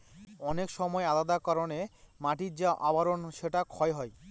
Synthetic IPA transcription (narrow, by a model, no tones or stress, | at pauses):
ɔnekʃɔmɔealad̪akaɾonemaʈid͡ʑaʔabaɾonʃeʈakʰɔeɦɔe